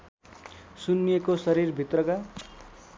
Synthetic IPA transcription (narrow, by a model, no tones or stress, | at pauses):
sunːijekosʌɾirbʱit̪rʌka